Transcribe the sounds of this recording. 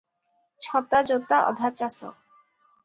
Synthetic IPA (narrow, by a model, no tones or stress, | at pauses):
ʃʰɔt̪ːad͡ʑot̪ːaʔɔ̰d̪ʱat͡ɕasɔ̰k